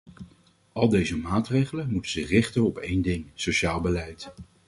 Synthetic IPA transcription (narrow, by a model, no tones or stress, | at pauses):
ɑlˠdejzəmaːtrejχələnmutəzɪχrɪχtənɔpejndɪŋsoʃaːlˠbəlɛjt